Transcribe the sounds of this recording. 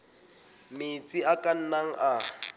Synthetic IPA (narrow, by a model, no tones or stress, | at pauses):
mɪt͡sʼiakʼan̩naŋ̩ʔa